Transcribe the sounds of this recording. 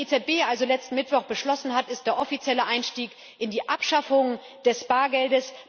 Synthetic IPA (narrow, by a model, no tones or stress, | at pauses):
et͡sɛt̚b̥eːʔalzolɛt͡stn̩mɪtv̥ɔχb̥əʃlɔsn̩ɦatɪst̚d̥eːɐʔɔfit͡sjɛləʔaɪnʃtiːk | ʔɪndiːʔapʃafʊŋ | d̥ɛsb̥aːɐɡɛldəs